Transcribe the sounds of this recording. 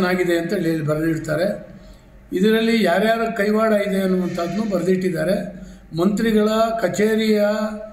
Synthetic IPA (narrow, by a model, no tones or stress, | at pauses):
naːɡid̪e̞ɐnt̪ɐeliɐlːibɐɾɐd̪iɽt̪aːɾe̞ | id̪ɐɾɐlːijaːɾjaːɾɐkɐjʋaːɽaːjid̪e̞ɐnːuʋɐnt̪ʰaːd̪nuːbɐɾɐd̪iʈːid̪ːaːɾe̞ | mɐnt̪ɾiɡɐɭɐkɐt͡ʃeːɾijɐ